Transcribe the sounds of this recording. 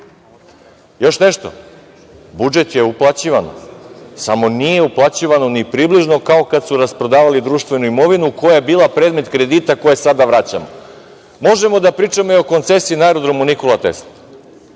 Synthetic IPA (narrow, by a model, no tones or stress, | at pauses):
jo̞ʃneʃt̪o̞̰ | bud͡ʒe̞t̪je̞uplˠat͡ɕiʋanosamo̞nije̞uplˠat͡ɕiʋano̞nipɾibliʒno̞kaokad̪suɾaspɾo̞d̪aːʋalid̪ɾuːʃt̪ʋe̞nuimo̞ʋinukojajebiːlˠapɾed̪me̞t̪kɾe̞d̪iːt̪ako̞jesad̪aʋɾat͡ɕa̰mo̰ | mo̞ʒe̞mo̞d̪apɾiːt͡ʃamoio̞ko̞nt̪sesiiːnaeɾod̪ɾo̞munikolˠat̪ḛsl